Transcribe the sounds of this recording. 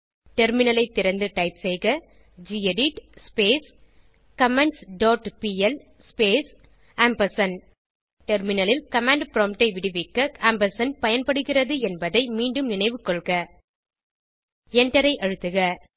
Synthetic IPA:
ʈɛɾmɪnɐlɐɪt̪ːɪɾɐnd̪ɯʈɐɪpsɛɪɣɐ | d͡ʒiːɛɖɪʈspeːs | kɐmɛɳʈsɖoːʈpiːɛl | speːs | ɐmbɐsɐn | ʈɛɾmɪnɐlɪlkɐmaːɳɖpɾoːmʈɐɪʋɪɽɯʋɪkːɐɐmbɐsɐnpɐjɐnpɐɽɯɣɪrɐðɯɛnbɐðɐɪmiːɳɖɯmnɪnɐɪʋɯkːɔɭɣɐ | ɛɳʈɐɾɐɪʔɐɻɯt̪ːɯɣɐ

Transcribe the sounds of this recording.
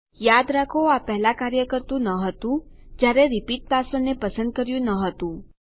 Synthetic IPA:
jad̪ɾakʰoapɛɦɛlakaɾjəkəɾt̪ũnəɦət̪ũd͡ʒjaɾeɾɪpiʈ̚pasonepəsənd̪̚kəɾjũnəɦət̪ũ

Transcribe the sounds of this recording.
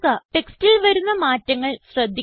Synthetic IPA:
kɐʈe̞kstilʋɐɾunːɐmaːtːɐŋːɐɭɕrɐd̪ʱːi

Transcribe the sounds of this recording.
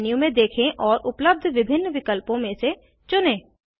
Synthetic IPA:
nijũmẽd̪eːkʰẽʔɔːɾʔʊpləb̚d̪ʱʋɪbʱɪnːʋɪkəlpõmẽse | t͡ʃʊnẽː

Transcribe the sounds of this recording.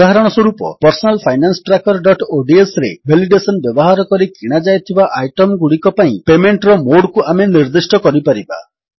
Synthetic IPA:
aɦaɾɔɽ̃ɔswoɾupɔ̰pɔɾsɔnalpʰajnansɔ̥ʈɾakɔɾɖɔʈoɖiesɾḛbʱeliɖesɔnbjɔbɔɦaɾɔkɔɾikiɽ̃ad͡ʒajt̪ʰibaʔajʈɔmɡuɽikɔpaĩpemeɳʈɾɔmoɽkuameniɾd̪isʈɔkɔɾipaɾiba̰

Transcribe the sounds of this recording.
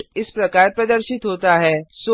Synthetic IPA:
ɪspɾəkaɾpɾəd̪əɾʃit̪ɦot̪aɦɛso

